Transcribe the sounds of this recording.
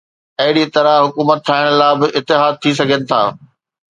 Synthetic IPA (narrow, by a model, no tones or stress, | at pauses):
ɐɦɪɽit̪ɐɾaɦʊkuːmət̪ːʰaːɪɽ̃laːbɪʔɪt̪ːɪɦaːd̪̚t̪ʰisɐɡʱənɪ̆t̪ʰa̰ː